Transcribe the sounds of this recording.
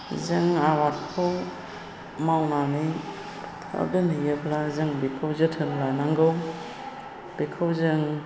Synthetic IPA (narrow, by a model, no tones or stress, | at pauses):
zɯŋawat̚kʰɯw | mawnani | tʰa̰dɯnijɯpʰlazɯŋbikʰɯwzɯtʰɯnlanaŋɡɯw | b̥ikʰɯwzɯŋ